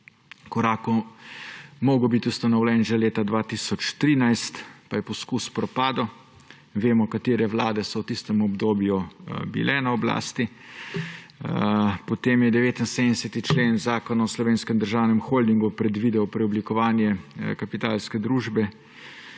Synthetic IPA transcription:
kɔɾaːkɔ | mɔːɡɔbit̪ust̪ɔnɐwlɛnʒaleːt̪ad̪ʋaːt̪isɔt͡ʃt̪ɾiːnajst̪pajɛpɔskuspɾɔpaːd̪ɔ | ʋeːmɔkat̪eːɾɛʋlaːd̪ɛsɔwt̪ist̪ɛmɔbd̪oːbjubḭlʔɛnaɔbla̰ːst̪i | pɔt̪eːmjɛd̪ɛʋeːt̪insemd̪ɛsɛt̪it͡ʃleːnzaːkɔnaɔslɔʋeːnskɛmd̪əɾʒaːwnɛmxoːld̪iŋɡupɾɛd̪ʋiːd̪ɛɔpɾɛɔblikɔʋaːnjɛkapit̪aːlskɛd̪ɾuːʒbɛ

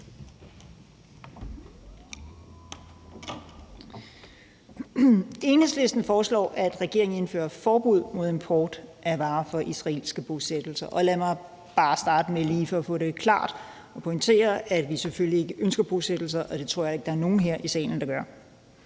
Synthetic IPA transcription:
e̝ːnhesle̝sd̥n̩fɒːslɒ̰ːʔæd̥ʁɛɡ̥e̝ɐeŋn̩e̝nfø̰ːɐɐfɒːb̥uð̞̰ˠmo̝ð̞ˠempʰɒːd̥ʔæʋɑ̈ːfɒ̽ʔisʁɑe̝̰ːlsɡ̥əb̥o̝sed̥l̩sɐʔɒ̽læmɑ̈ɪ | b̥ɑ̈ːsd̥ɑ̈ːd̥əmeliːfɒ̽ɒfɔ̰̽ːɾe̝kʰlɑ̰̈ːd̥ | ɒ̽pʰɒ̽ŋt͡sʰe̝̰ːɐæd̥ʋiseføllie̝ɡ̥əʔønsɡ̥ɐb̥osed̥l̩s̬ɐʔɒ̽d̥e̝t͡sʰʁo̝ɐ̰jɑ̈e̝ɡ̥d̥ɑæɐno̝ːn̩ɦeɐ̰ʔisɛ̰ːln̩d̥ɑ̈ɡ̥ɶɐ̰

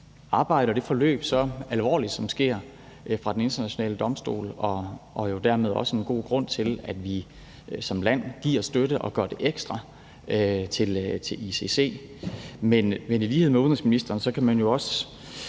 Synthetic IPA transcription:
ɑ̈ːb̥ɑ̈ɪ̰ɾ̥əɒd̥e̝fɒ̽lø̰ːb̥sɒ̽ælʋɒ̰ːlid̥sɒ̽msɡ̥e̝ɐ̰ | fʁɑ̈d̥ene̝nd̥ɐnæɕo̝nɛ̰ːləd̥ɒ̽msd̥o̝̰ːlɒ̽ʔɒ̽jo̝d̥æɐ̰me̝ð̞ˠɒ̽səe̝nɡ̥o̝̰ːɡ̥ʁɔ̽n̰t͡sʰe̝læd̥ʋi | sɒ̽mlæn̰ɡ̥ḭɐ̰sd̥øɾəʔɒ̽ɡ̥ɶɐd̥e̝ʔeɡ̥sd̥ʁɑ̈ | øt͡sʰe̝lt͡sʰe̝lise̝se̝̰ːmenʋeniliːhḛmeun̩ʁesminisd̥ɐːnsɒ̽kʰæmænjo̝ɒ̽sə

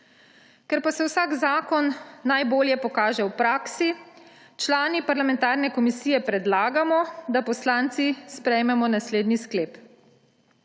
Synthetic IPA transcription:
kɛɾpasɛwsaːɡzaːkɔnːajboːljɛpɔkaːʒɛwpɾaːksi | t͡ʃlaːnipaɾlamɛ̃nt̪aːɾnɛkɔmisiːjɛpɾɛd̪laːɡamɔd̪apɔslaːnt̪sispɾɛjmɛmɔnasleːd̪niskleːp

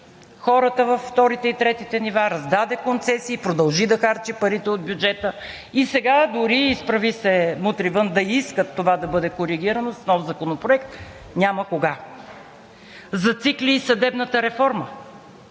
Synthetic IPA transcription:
xɔɾət̪əvɐfːt̪ɔɾit̪ɛit̪ɾɛt̪it̪ɛnivaɾɐzd̪ad̪ɛkont̪sɛsiːpɾod̪ɐlˠʒid̪ɐxaɾt͡ʃipɐɾit̪ɛod̪̚bʲjud͡ʒɛt̪ə | isɛɡad̪ʊɾiːspɾɐvisɛmut̪ɾivənd̪ɐiskət̪ːovad̪ɐbɤd̪ɛkoɾiɡʲiɾənosnɔfzɐkonopɾoɛkt̪ | nʲaməkoɡa | zɐt̪sikliːsɐd̪ɛbnət̪əɾɛfɔɾmə

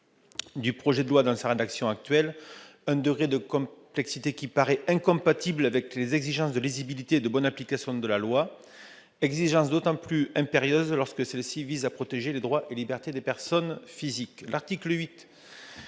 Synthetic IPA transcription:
d̪ypχɔʒed̪əlwad̪ɑ̃saʁed̪aksjɔ̃ak̚t̪ɥɛlɛ̃d̪əɡʁed̪əkɔ̃plɛksit̪ekʲipaʁɛɛ̃kɔ̃pat̪iblavɛklezɛɡziʒɑ̃sd̪əlizibilit̪eːd̪əbɔnaplikasjɔ̃d̪əlalwa | ɛɡziʒɑ̃sd̪ot̪ɑ̃plyɛ̃peʁjøzlɔʁskəsɛlsivizapχɔt̪eʒeled̪ʁwaʔelibɛʁt̪ed̪epɛʁsɔnfiziklaʁt̪ikləɥit̪

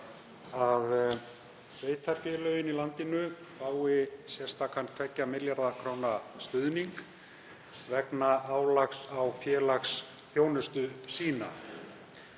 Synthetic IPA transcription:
að | veːjt̪ʰaɾ̥fjɛːlœːɥjɪnilant̪ɪnʏ | faːwɪsjɛr̥st̪akʰanst̪ʰɛcːamɪljaɾðakʰɾoːwnast̪ʏðniŋk | vɛknaaːwlaxsawfjɛːlaxs | θjoːwnʏst̪ʏsiːna̰

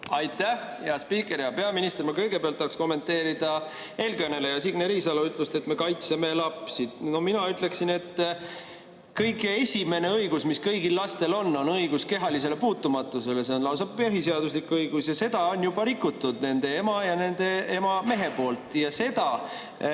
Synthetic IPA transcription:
ɑjt̪ːˑæhjɑspiːkːˑe̞ɾjɑpeɑminist̪ermɑkɤjɡe̞peɑlt̪ːɑːksko̞mːe̞nt̪ːˑeːɾid̪̥ɑ | e̞lɡønele̞jɑsiɡ̥neɾisɑloyt̪ːˑlust̪e̞t̪ːme̞kɑjt̪seme̞lɑpsid̪̥no̞minɑyt̪ˑle̞ksine̞t̪ː | kɤjɡeesʲime̞ne̞ɤjɡ̥usmiskɤjɡilːɑst̪e̞lo̞nːo̞nɤjɡ̥uske̞ɦɑlis̬e̞le̞puːt̪ːumɑt̪ːˑuse̞le̞seonlɑws̬ɑbpːeɦise̞ɑd̪us̬likuɤjɡ̥usjɑse̞d̪̥ɑonjub̥ɑɾikːˑut̪ːˑud̪̥̚ne̞nd̪̥e̞emɑjɑne̞nd̪̥e̞emɑme̞ɦe̞po̞ːlt̪ˑjɑse̞d̪̥ɑ

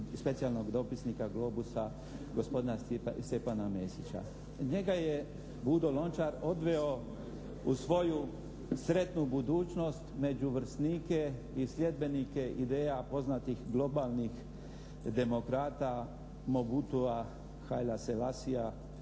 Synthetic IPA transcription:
spe̞t̪sialno̞ɡd̪o̞pisnikaɡlo̞ːbusa | ɡo̞spo̞d̪inast̪epanamesit͡ʃa̰ | ɲe̞ɡaje | bud̪o̞lo̞nt͡ʃaɾo̞d̪ʋeo̞ | usʋo̞ju | sɾe̞t̪nubud̪uːt͡ʃno̞st̪me̞d͡ʒuʋɾ̩sniːke̞ | isʎʲe̞d̪̚be̞nike̞ʔid̪e̞ːjapo̞znat̪ixɡlˠo̞balˠnix | d̪e̞mo̞kɾaːt̪a | mo̞but̪ua | xajlaselasia

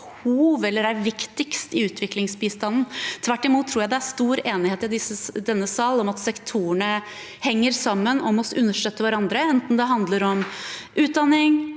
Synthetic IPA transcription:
huːʋɛlːəɾæɾʋɪkt̪ɪkst̪ɪʉːt̪ʰʋɪklɪŋsbiːst̪ɑnn̩t̪ʰʋæʈːɪmuːt̪ʰːɾuːjæɪd̪ɛæɾst̪uːɾeːnɪheːt̪ɪd̪ɪsəd̪ɛnːəsɑlɔmɑt̪sɛkt̪ʰuːəɳə | hɛŋːəɾsɑmːənɔmɔsʉnːəʂʈøt̪ːəʋæɾɑnd̪ɾəɛnt̪n̩d̪ɛɦɑnd̪ləɾɔmʔʉːt̪̚d̪ɑnːɪŋ

